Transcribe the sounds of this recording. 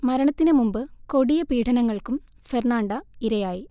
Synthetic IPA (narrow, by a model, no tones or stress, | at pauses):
mɐɾɐɳɐt̪ːinɨmumbɨko̞ɽijɐpiːʈʰɐnɐŋːɐɭkum | ferɳaːɳɖɐiɾɐjaːji